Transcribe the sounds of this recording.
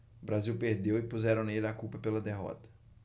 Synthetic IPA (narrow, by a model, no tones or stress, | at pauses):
bɾaziwpeɾd̪ewɪpuzɛɾɐ̃w̃nelakupɐpelɐd̪eɦɔ̰t̪ɐ̥